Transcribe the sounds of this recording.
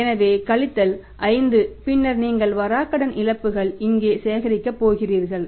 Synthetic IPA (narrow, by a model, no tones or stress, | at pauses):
ɛnɐʋeːkɐɭɪt̪ːɐl | ʔɐɪnd̪ɯpɪnːɐɾniːŋɡɐɭʋɐɾaːkːɐɽɐnʔɪɻɐpːɯɣɐɭɪŋɡeːseːɣɐɾɪkːɐpːoːɣɪriːɾɣɐɭ